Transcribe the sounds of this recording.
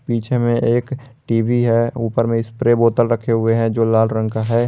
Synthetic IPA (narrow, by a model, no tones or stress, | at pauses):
piːt͡ʃʰemẽʔeːk | ʈiːbʱiɦɛuːpəɾmẽɪspɾeboːt̪əlɾəkʰeɦʊeɦɛ̃d͡ʒoːlaːlɾə̃ŋkaɦɛ